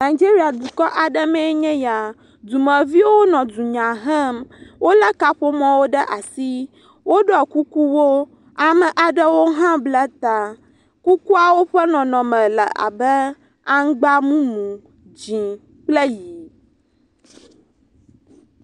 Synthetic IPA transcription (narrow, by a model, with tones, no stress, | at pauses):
na˨i˨d͡ʒi˦ɾi˦a˨d̪u˨kɔ˦ʔa˨ɖə˦mɛ̃˦ɲɛ̃˦ja˨ | d̪u˨mə˨vi˦wo˦nɔ̃˨du˨ɲã˨ɦɛ˦mwo˦lə˦ka˦ɸo˦mɔ̃˦wo˦ɖə˦ʔa˨si˦ | wo˦ɖɔ˦˨ku˦ku˦wo˦ | a˨mə˨ʔa˨ɖə˦wo˦ɦã˦blɛ˦t̪a˨ | ku˦ku˦a˨wo˦ɸə˦nɔ̃˨nɔ̃˨mə̃˨lə˨ʔa̰˨bə˦ | a˦ŋ˦ɡ͡ba˦mũ˦mũ˨ | d͡ʑĩ˨ | k͡plə˦ji˨